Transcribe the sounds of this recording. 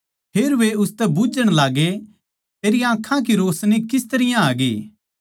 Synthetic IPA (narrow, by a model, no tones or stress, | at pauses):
pʰeːɾʋeʊst̪ɛbʊd͡ʒəɽ̃laːɡe | t̪eːɾijãːkʰãk̬iɾoːsnikɪst̪ɐɾɪjãaːɡeː